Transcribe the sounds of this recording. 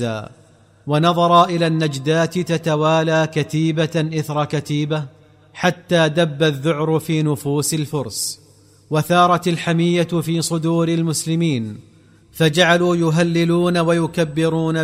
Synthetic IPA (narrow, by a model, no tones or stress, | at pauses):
a̰ː | wanɑðˤɑɾˤɑʔɪlaːnːad͡ʒd̪aːt̪t̪at̪awaːlaːkat̪iːbaʔɪθɾˤɑkat̪iːba | ħat̪ːaːd̪abːaðːʊʕɾʊfiːnʊfuːsɪlfʊɾˤsˤ | waθɑːɾˤɑt̪alħamɪjːafiːsˤʊd̪uːɾɪlmʊslɪmiːn | fad͡ʒaʕaluːjʊɦalːɪluːnawajʊkabːɪɾuːna